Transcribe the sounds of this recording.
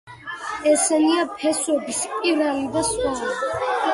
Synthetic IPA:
ɛsɛniapʰɛsɔbispʼiɾalid̪asχɔlɛi

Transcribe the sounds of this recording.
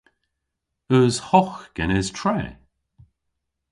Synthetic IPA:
əːzhɔxɡ̥ɛnɪztʰɹɛː

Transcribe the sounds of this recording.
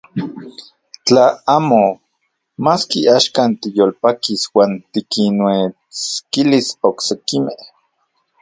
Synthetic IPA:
t͡ɬaaːmo | maːskiaʃkant̪ijoːlpakiswaːnt̪ikinwe | t͡skilisoksekimeh

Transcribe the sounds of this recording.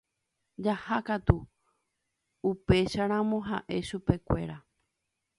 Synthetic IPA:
d͡ʒahakat̪u | upe̞ʃaɾ̃ãmõɦa̰ʔe̞ʃupe̞kʷe̞̰ɾa

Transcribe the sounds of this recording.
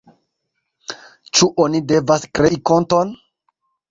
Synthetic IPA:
t͡ʃuʔonide̞vaskɾeʔikonto̞n

